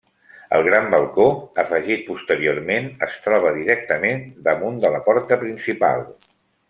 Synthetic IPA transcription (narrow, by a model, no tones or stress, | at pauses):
ə̰lˠɣ̞ɾambəlˠkoəfəʒit̪̚pust̪əɾioɾmenəst̪ɾɔβ̞əðiɾɛkt̪əmend̪əmund̪ələpɔɾt̪əpɾinsipa̰lˠ